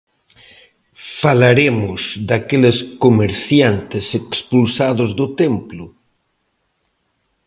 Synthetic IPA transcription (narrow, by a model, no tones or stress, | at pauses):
falaɾemʊzd̪akeleskomeɾθjant̪esekspulsaðʊzðʊt̪emplʊ